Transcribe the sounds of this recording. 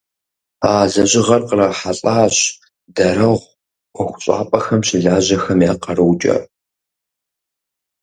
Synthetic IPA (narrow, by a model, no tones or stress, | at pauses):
aːzɐʑɪʁɐrqərɐħaɬʼaːɕ | dɐɾɐʁʷ | ɔxʷʊɕʼa̰ːpʼɐxɐmɕɪɮaːʑɐxɐmjaːqɐrɨwt͡ʃʼɐ̰r